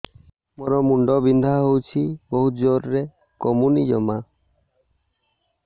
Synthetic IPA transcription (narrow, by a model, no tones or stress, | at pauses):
mɔɾɔmuɳɖɔbind̪ʱaɦowt͡ʃʰibɔɦud͡ʒɔɾːe | kɔmunid͡ʒɔ̰ma